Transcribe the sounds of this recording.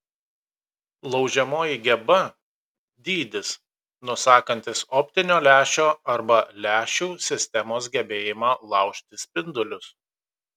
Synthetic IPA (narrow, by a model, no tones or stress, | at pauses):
lˠɒʊʒʲɛmoːjiɡʲɛbɐ | d̪ʲiːd̪ʲɪs | nʊsɑːkɐnʲt̪ʲɪsɔːpʲt̪ʲɪnʲoːlʲæːʃʲoːɐɾbɐlʲæːʃʲuːsʲɪsʲt̪ʲɛmoːsɡʲɛbʲeːjɪmɑːlˠɑˑʊʃʲt̪ʲɪsʲpʲɪnd̪ʊlʲʊs